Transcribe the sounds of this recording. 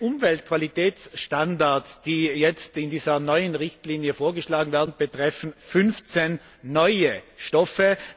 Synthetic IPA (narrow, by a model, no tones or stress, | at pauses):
ʔʊmvɛltkʰv̥alitʰɛːt͡sʃtandaɐtsd̥iːjɛt͡stɪndiːzɐnɔʏənʁɪçtliːnjəfoːɐɡəʃlaːɡŋ̩vɛːɐdn̩b̥ətʁ̥ɛfn̩fʏnft͡senː | ɔʏəʃtɔfə